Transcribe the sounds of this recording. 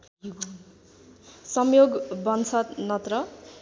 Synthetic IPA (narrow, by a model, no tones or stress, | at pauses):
sʌmjoɡbʌnt͡sʰʌnʌt̪rʌ